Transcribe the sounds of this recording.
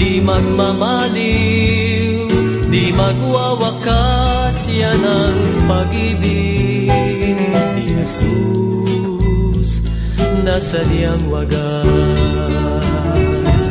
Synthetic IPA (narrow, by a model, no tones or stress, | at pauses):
imaɡmama | li | w | d̪imaɡwawakasianaŋpaɡibi | nit̪iŋsu | nus | nasaniaŋwaɡa